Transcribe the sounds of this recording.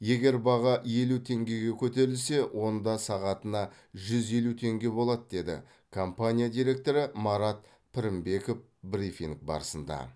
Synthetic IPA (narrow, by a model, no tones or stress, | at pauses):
je̞ɡʲe̞ɾbɑʁɑʔje̞lut̪ʰe̞ŋɡʲe̞ɡʲe̞kʲʰɵt̪e̞ɾɪlse̞wʔo̞nd̪ɑsɑʁɑt̪ənɑ | ʒʏze̞lut̪ʰe̞ŋɡʲe̞bo̞lˠɑd̪d̪e̞d̪ɪ̰ | kʰo̞mpanʲijad̪ijɾe̞k̚t̪o̞ɾəmɑɾɑt̪̚ | pʰɪɾɪmbe̞ko̞f | bɾifiŋk̚bɑ̰ɾəsənd̪ɑ̰